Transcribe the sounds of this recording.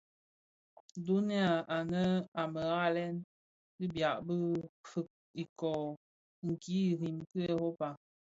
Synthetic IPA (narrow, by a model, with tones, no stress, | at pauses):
du˦ni˦a˨a˨nə˦a˨mə˨ɣa˦˨lɛ˦n | bi˦bja˨ʔbə˦fɨ˨k̚ | i˨kɔ˨ | ŋ̩˨ki˨˦˨ɾi˨mkɨ˦e˦ho˦pa˨